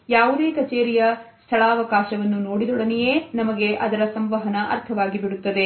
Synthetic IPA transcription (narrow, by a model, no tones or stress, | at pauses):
jaːʋud̪e̞ːkɐt͡ʃeːɾijɐst̪ʰɐɭaːɐʋɐkaːʃɐʋɐnːunoːɽid̪ɔɽɐnijeːnɐmɐɡe̞ʔɐd̪ɐɾɐsɐmʋɐɦɐnɐʔɐ̰ɾt̪ʰɐʋaːɡibiɽut̪ːɐd̪e̞